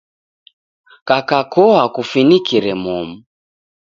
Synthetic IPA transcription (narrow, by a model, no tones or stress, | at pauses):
kakakɔakufinikiɾɛmɔmu